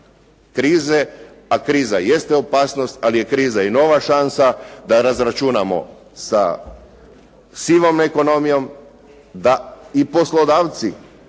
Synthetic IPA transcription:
kɾiːze | akɾiːzaje̞st̪eopaːsno̞st̪alije̞kɾiːzaino̞ʋaʃansad̪aɾazɾat͡ʃunamo̞̰ | sa̰ | siʋo̞mnaeko̞no̞mijo̞m | d̪aipo̞slˠod̪aːʋt̪si

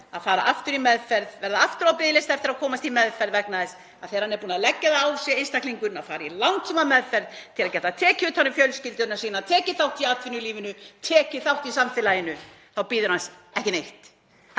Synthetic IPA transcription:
a̰ðfaːɾa̰ʔaft̪ʏɾimɛðfɛɾðvɛɾðaaft̪ʏɾawpɪðlɪst̪ɛft̪ɪɾaðkʰɔːmast̪ʰɪlmɛðfɛɾðvɛknaðɛs | a̰ðθeːɾ̥hanɛɾpuːnaðlɛcːɛðaawsjɛejnst̪akliŋkʏnaðfaːɾailawnt̪suːmamɛðfɛɾðt̪ʰɪlaðcɛt̪at̪ʰɛːcɪʏt̪hanːʏfjœlscɪlt̪ʏnasiːnaðt̪ʰɛːcɪθawht̪iat̪vɪnːʏliːvɪnʏt̪ʰɛːcɪθawht̪isamfɪlajɪnʏ | θawpiːðʏɾhansɛhcɪnejht̪

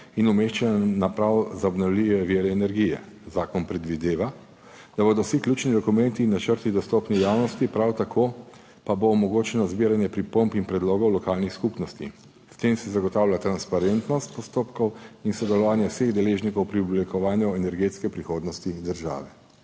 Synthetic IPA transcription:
inumeʃt͡ʃɛnapɾawzaɔbnawlijɛʋiːɾɛːnɛɾɡijɛ̰ | zaːkɔnpɾɛd̪ʋid̪eːʋa | d̪̥aboːd̪ɔwsiklʲuːt͡ʃnid̪ɔkumɛnt̪inat͡ʃəɾt̪id̪ɔst̪oːpnɛjaːwnɔst̪ipɾawt̪akʰo | paboːmɔɡoːt͡ʃɛnɔzbiːɾanjɛpɾipompinpɾɛd̪loːɡɔwlɔkaːlnixskupnɔst̪ḭ | st̪emsɛzaɡɔt̪awlʲat̪ɾanspaɾent̪nɔst̪pɔst̪oːpkɔwinsɔd̪ɛlɔʋaːnjɛwseɣd̪ɛleʒnikɔwpɾiublikɔʋaːnjuɛnɛɾɡeːt̪skɛpɾixoːd̪nɔst̪id̪əɾʒa̰ːʋɛ

